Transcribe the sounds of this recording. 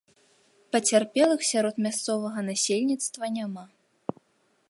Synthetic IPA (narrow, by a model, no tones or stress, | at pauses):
pɐt͡sʲarpʲɛlˠɨxsʲaɾɔt̪mʲast̪sɔvɐɣɐnasʲelʲnʲit̪st̪vɐnʲama